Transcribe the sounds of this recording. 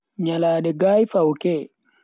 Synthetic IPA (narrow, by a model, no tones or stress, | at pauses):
ɲalaːɗɛɡaːjfawkɛ